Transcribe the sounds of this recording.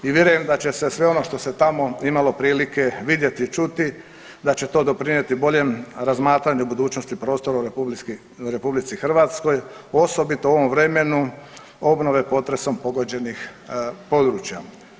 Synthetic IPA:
iʋʲje̞ɾujemd̪at͡ɕe̞sesʋe̞o̞no̞ʃt̪o̞se̞t̪amo̞imalo̞pɾiːlike̞ʋid̪je̞t̪it͡ʃut̪i | d̪at͡ɕe̞t̪o̞ːd̪o̞pɾinje̞t̪ibo̞ʎe̞mɾazmaːt̪ɾaɲuubud̪uːt͡ʃnost̪ipɾo̞ːst̪o̞ɾau | uɾe̞publit̪sixr̩ʋaːt̪sko̞josobit̪ouo̞ʋo̞mʋɾe̞me̞nu | o̞bno̞ʋe̞po̞t̪ɾe̞so̞mpoɡo̞d͡ʑe̞nix | po̞d̪ɾuːt͡ɕja̰

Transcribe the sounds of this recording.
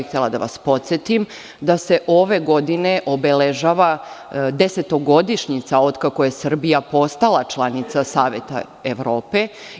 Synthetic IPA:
ixt̪ʲelˠad̪a̰ʋa̰spo̞t̪sjet̪im | d̪ase̞ʔo̞ʋe̞ɡo̞d̪ine̞ʔo̞beleʒaːʋad̪e̞se̞t̪o̞ɡo̞d̪iʃɲit̪sao̞d̪kako̞je̞sr̩bijapo̞st̪alˠat͡ʃlˠanit̪sasaːʋje̞t̪a̰ | eʋɾoːpe̞

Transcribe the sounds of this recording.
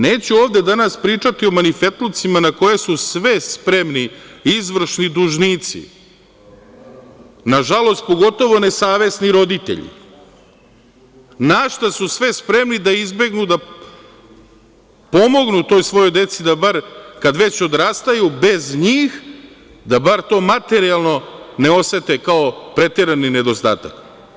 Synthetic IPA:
ne̞ːt͡ɕuo̞ːʋd̪e̞d̪anaspɾiːt͡ʂat̪io̞manife̞t̪lut̪simanako̞je̞susʋe̞spɾemniizʋr̩ʃnid̪uʒniːt̪sḭ | naʒalˠo̞st̪̚po̞ɡo̞t̪o̞ʋo̞ne̞saːʋe̞sniɾo̞d̪it̪ḛʎḭ | naʃt̪asusʋe̞spɾe̞mnid̪aizbe̞ɡnud̪a | po̞mo̞ɡnut̪ojsʋo̞jo̞jd̪e̞t̪sid̪abaɾkad̪ʋe̞t͡ɕo̞d̪ɾaːst̪ajube̞zɲiːx | d̪abaɾt̪o̞ːmat̪e̞ɾialˠno̞ne̞o̞se̞t̪ekaopɾe̞t̪eɾanine̞d̪o̞st̪a̰ːt̪ak

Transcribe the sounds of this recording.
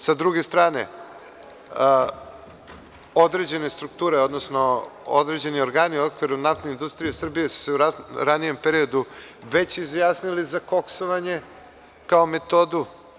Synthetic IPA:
sad̪ɾuɡe̞st̪ɾaːne̞̰ | od̪ɾe̞d͡ʑe̞nest̪ɾuk̚t̪uːɾe̞o̞d̪nosno̞o̰d̪ɾe̞d͡ʑe̞nio̞ɾɡaːniokʋiɾunaft̪neind̪ust̪ɾijesr̩bijesu̥se̞uɾanije̞mpeɾio̞d̪u | ʋe̞t͡ɕizjaːsnilizako̞ksoʋaɲe̞ | kaome̞t̪o̞d̪u

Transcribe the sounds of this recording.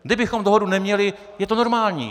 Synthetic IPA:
ɡdɪbɪxomdoɦodunɛmɲɛlɪ | jɛt̪ono̞ɾmaːlɲḭː

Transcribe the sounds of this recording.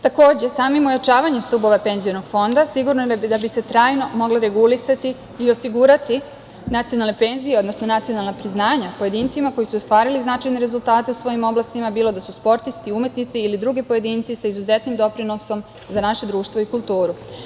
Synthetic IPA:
t̪ako̞ːd͡ʑe̞saːmimojat͡ʃaːʋaɲemst̪ubo̞ʋape̞nziono̞ɡ̥fo̞nd̪asiɡuɾnojed̪abise̞t̪ɾaːjno̞mo̞ɡlaɾe̞ɡulisat̪iː | o̞siɡuɾat̪i | nat̪ijonalnepe̞ːnzijeo̞d̪nosno̞nat̪sijo̞nalnapɾiznaːɲapo̞je̞d̪iːnt̪simako̞jisuost̪ʋaːɾiliznat͡ʃajne̞ɾe̞zult̪aːt̪e̞usʋo̞jimo̞blˠast̪imabiːlo̞d̪asuspo̞ɾt̪ist̪iumje̞t̪nit̪siːlid̪ɾuɡepo̞je̞d̪iːnt̪sisaizuzet̪nimd̪o̞pɾino̞so̞m | zanaʃe̞d̪ɾuːʃt̪ʋoikulˠt̪uːɾu

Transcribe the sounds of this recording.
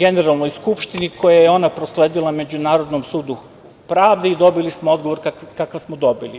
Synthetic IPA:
ɡeneɾalˠno̞jskupʃt̪iniko̞jajeo̞napɾosleːd̪ilˠame̞d͡ʑunaːɾod̪nomsuːd̪u | pɾaːʋd̪eid̪o̞bilismoo̞d̪ɡoʋo̞ɾkakakaʋsmod̪o̞bili

